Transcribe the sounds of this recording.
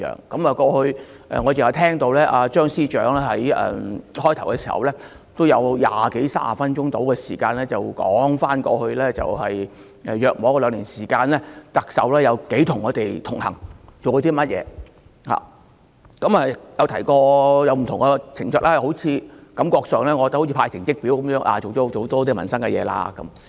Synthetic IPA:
œ̰ː˨˩ŋkɐ˨˥maː˨kɔː˧hɵ˧ɥ | ʔɛ̰ː˨ŋɔː˨˧t͡se˨whɐ˨t̪ʰɛː˥ŋt̪o˧wlɛː˥ʔaː˨˧t͡ʃœː˥ŋsiː˥t͡ʃœː˨˥ŋɛː˥hɐ˨˥jɛ̰ː˨hɔː˥jt̪ʰɐ˨˩wkɛ˧siː˨˩hɐ̰˨wlɛː˥ | t̪o˥wjɐ˨˧wja̰ː˨ke˨˥jsa̰ː˥a˨fɐ˥nt͡ʃʊ˥ŋt̪o˨˥wkɛː˧siː˨˩kaː˧nlɛː˥t͡sɐ˨wkɔː˨˥ŋfaː˥nkɔ̰ː˧hɵ˧ɥlɛː˥t͡sɐ̰˨whɐ˨j | ɛː˨jœː˨k̚mɔː˨˧˥kɔ˧lœː˨˧ŋliː˨˩nsiː˨˩kaː˧nlɛː˥t̪ɐ˨k̚sɐ̰˨wlɛː˥jɐ˨˧wke˨˥jt̪ʰʊ˨ŋːɔː˨˧t̪e˨jt̪ʰʊ˨˩ŋhɐ˨˩ŋt͡so˨wkːt̪iː˥mɐ˥t̚jɛ̰ː˨˧ | ha̰ː˨ | kɐ˨˥mɛː˨jɐ˨˧wt̪ʰɐ˨˩jkɔː˧jɐ˨˧wm̩˨˩t̪ʰʊ˨ŋkɛ˧t͡sʰɪ˨˩ŋt͡sœː˧˥k̚laː˥˧ho˨˥wt͡sʰiː˨˧kɐ˨˧˥mkɔː˧k̚sœː˨ŋlɛː˥ŋɔː˧kɔ˧t̪̚hʰiː˧pʰaː˧jsɪ˨˩ŋt͡sɪ˥k̚piː˨˥wkɐ˨˦mjœː˨˥ŋʔa̰ː˨˩t͡so˨wɔ˨˦˥o˧˦t̪ɔː˥t̪iː˥mɐ̰˨˩nsɐ˥ŋkɛ˧jɛ̰ː˨˧la̰ː˧kːɐ̰˨˦m

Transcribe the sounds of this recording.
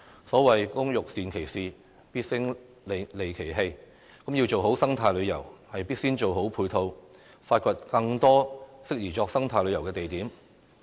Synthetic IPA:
sɔː˨˥wɐ˨jkʊ˥ŋjʊ˨k̚siː˨nkʰe˨˩jsiː˨ | piː˥t̚sɪ˥ŋ | lle˨jkʰe˨˩jɦe˧j | kɐ˨˥mjiː˧wt͡so˨wɦo˨˥wsɐ˥ŋt̪ʰaː˧jlɵ˨˧ɥjɐ˨˩whɐ˨jpiː˥t̚siː˥nt͡ʃo˨wɦo˨˥wpʰuː˧jt̪ʰo˧w | faː˧t̚kʰʷɔ˧t̚kɐ˧ŋt̪ɔː˥sɪ˥k̚jiː˨˩t͡ʃɔː˧k̚sɐ˥ŋt̪ʰaː˧jlɵ˨˧jɐ˨˩wkɛː˧t̪e˨jt̪iː˨˥m

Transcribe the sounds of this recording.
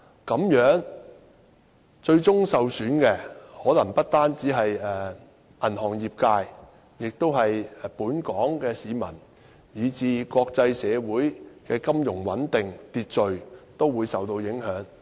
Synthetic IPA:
kɐ˨˥mjœː˨˥ŋ | t͡ʃɵ˧ɥt͡sʊ˥ŋsɐ˨wsyː˨˥nkɛ˧hɔː˨˥lɐ˨˩ŋpɐ˥t̚t̪aː˥nt͡siː˨˥ɦɐ˨jɛː˨˩ | ʔɐ˨˩nɦɔː˨˩ŋjiː˨p̚kaː˧j | jɪ˨k̚t̪o˥wɦɐ˨jpuː˨˥nkɔː˨˥ŋkɛː˧siː˨˧mɐ̰˨˩n | jiː˨˧t͡siː˨˧kʷɔː˧k̚t͡sɐ˧jsɛː˨˧wuː˨˥jkɛː˧kɐ˥mjʊ˨˩ŋwɐ˨˥nt̪ɪ˨ŋt̪iː˧t̚t͡ʃɵ˨ɥt̪o˥wuː˨˧jsɐ˨wt̪o˧wjɪ˨˥ŋɦœː˨˥ŋ

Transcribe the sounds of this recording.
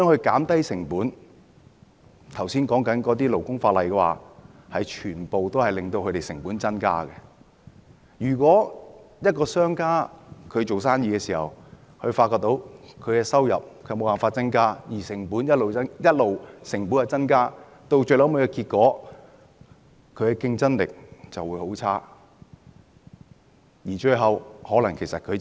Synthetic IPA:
ŋhɵ˧kaː˨˥mt̪ɐ˥jsɪ˨˩ŋpuː˨˥n | t̪ʰɐ˨˩wsiː˥nkɔː˨˥ŋkɐ˨˥nkɔː˨˧˥t̪iː˥lo˨˩wkʊ˥ŋfaː˧t̚lɐ˨jkɛː˧wa̰ː˨hɐ˨jt͡ʃʰyː˨˩npo˨wt̪o˥whɐ˨jlɪ˨ŋt̪o˧wkʰt̪e˨jsɪ˨˩ŋpuː˨˥nt͡sɐ˥nka̰ː˥kɛ˧ | jyː˨˩kʷɔː˨˥jɐ˥t̚kɔː˧sœː˥ŋkaː˥kʰɵ˨˧ɥt͡ʃo˨wsaː˥njiː˧kɛː˧siː˨˩hɐ̰˨w | hɵ˧faː˧t̚kːɔː˧k̚t̪o˧wkʰɵ˨˧ɥkɛː˧sɐ˥wjɐ̰˨p̚kʰmo˨˧waː˨nfaː˧t̚t͡sɐ˥nkaː˥jiː˨˩sɪ˨˩ŋpuː˨˥njɐ˥t̚lo˨wɐ˥jɐ˥t̚lo˨wsɪ˨˩ŋpu˨˥nɐ˨˧t͡sɐ˥nkaː˥ | t̪o˧wt͡ʃɵ˧lɐ˨˥wmɐ˨˧jkɛ˧kiː˧t̚kːɔː˨˥ | kʰɵ˧ɥkɛ˧kɪ˧ŋt͡sɐ˥nlɪ̰˨k̚t͡sɐ˨wu˨˧˥jho˨˥wt͡sʰaː˥ | jiː˨˩t͡ʃɵ˧ɦɐ˨whɔː˨˥lɐ˨˩ŋkʰe˨˩jsɐ˨t̚kʰɵ˨˧ɥ

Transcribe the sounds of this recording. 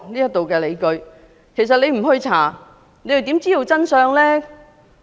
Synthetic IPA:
liː˥jɐ˥t̪̚ːo˨wkɛː˧le˨˧jkɵ˧ɥ | kʰe˨˩s̬ɐ˨t̚le˧jm̩˨˩hɵ˧ɥt͡sʰaː˨˩ | ne˨˧jɐ˨˩t̪iː˨˥mt͡siː˥t̪o˨wt͡sɐ˥nsœː˧ŋlɛː˥

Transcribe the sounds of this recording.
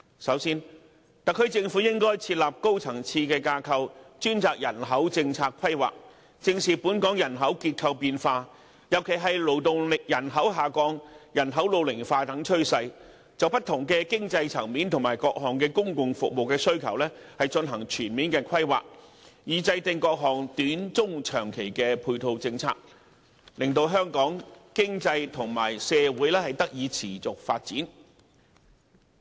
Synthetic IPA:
sɐ˨˥wsiː˥n | t̪ɐ˨kʰːɵ˧ɥt͡sɪ˧ŋfuː˨˥jɪ˥ŋkɔː˥jt͡sʰiː˧t̚laː˨p̚ko˥wt͡sʰɐ˨˩ŋt͡sʰiː˧kɛː˧kaː˧kʰɐ˧wt͡ʃyː˥nt͡saː˧k̚jɐ˨˩nɦɐ˨˥wt͡sɪ˧ŋt͡sʰaː˧k̚kʰːɐ˥jwa̰ː˨k̚ | t͡sɪ˧ŋsiː˨˩puː˨˥nkɔː˨˥ŋjɐ˨˩nɦɐ˨˥wkiː˧t̚kʰɐ˧wpiː˧nfaː˧ | jɐ˨˩wkʰe˨˩jɦɐ˨jlo˨˩wt̪ʊ˨ŋlɪ˨k̚jɐ˨˩nɦɐ˨˥wɦaː˨˩kɔː˧˥ŋjɐ˨˩nɦɐ˨˥wlo˨˧wlɪ˨˩ŋfaː˧t̪ɐ˨˥ŋt͡ʃʰɵ˥ɥsɐ˧j | t͡sɐ˨wpɐ˥t̪ʰːʊ˨˩ŋkɛː˧kɪ˥ŋt͡sɐ˧jt͡sʰɐ˨˩ŋmiː˨˥nt̪ʰʊ˨˩ŋmaː˨˩jkɔː˧k̚ɦɔː˨˩ŋkɛː˧kʊ˥ŋkʊ˨ŋfʊ˨k̚mo˨wkɛː˧sɵ˥ɥkʰɐ˨˩wlɛː˥hɐ˨jt͡ʃɵ˧nɦɐ˨˩ŋt͡ʃʰyː˨˩nmiː˨˥nkɛː˧kʰɐ˥jwa̰ː˨k̚jiː˨t͡sɐ˧jt̪ɪ˧ŋkɔː˧k̚ɦɔː˨˩ŋt̪yː˨˥nt͡sʊ˥ŋt͡ʃʰœː˨˩ŋkʰe˨˩jkɛː˧pʰuː˧jt̪ʰo˧wt͡sɪ˧ŋt͡sʰa̰ː˧k̚ | lɪ˨ŋt̪o˧wɦœː˥ŋkɔː˨˥ŋkɪ˥ŋt͡sɐ˧jt̪ʰʊ˨˩ŋma̰ː˨˩jsɛː˧wuː˨˥jlɛː˥hɐ˨jt̪ɐ˥k̚jiː˨˧t͡sʰiː˨˩t͡sʊ˨k̚faː˧t̚t͡siː˨˥n

